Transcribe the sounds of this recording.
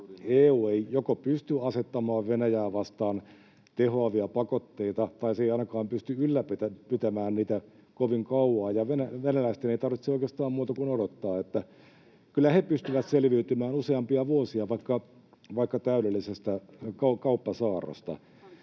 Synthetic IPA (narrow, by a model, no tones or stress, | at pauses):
eːuːeijokopyst̪yɑset̪ːɑmɑːʋʋenæjæːʋɑst̪ɑːn | t̪ehoɑʋiɑpɑkot̪ːeit̪ɑt̪ɑiseiɑˑinɑkɑːmpyst̪yylːæpet̪æpyt̪æmæːnniːt̪æ | koʋiŋkɑuʋɑːjɑʋenæʋenælæist̪eneit̪ɑrʋit̪sioˑikeːst̪ɑːmmuːt̪ɑkunodot̪ːɑːet̪ːæ | kylːˑæhepyst̪yʋæt̪selʋiyt̪ymæːnuseɑmpiɑʋuosiɑʋɑikːɑ | ʋɑikːɑt̪æyɾelːisest̪ækɑkɑupːɑsɑːro̰st̪ɑ̰